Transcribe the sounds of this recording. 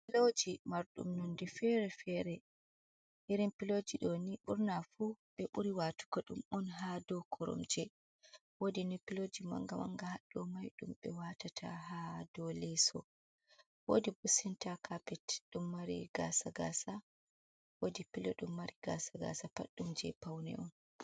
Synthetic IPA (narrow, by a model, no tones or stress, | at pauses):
pilod͡ʒimaɾɗṵmnɔndɛfɛɾɛfɛɾɛ | hiɾimpilod͡ʒiɗoniɓuɾnafuɓɛʔuɾiwatu̥kɔɗṵmɔnɦadɔkʰɔɾɔ̰md͡ʒɛ | wodinipilod͡ʒima̰ŋɡama̰ŋɡahaɗːɔmajɗumɓɛwatatʰa̰ɦadɔlɛsɔ̰ | wodibusintakʰapɛtɗumːaɾḭɡa̰saɡa̰sa | wodipilɔɗumːaɾiɡa̰saɡa̰sapa̰ɗːumd͡ʒɛ̰pawnɛ̰ɔn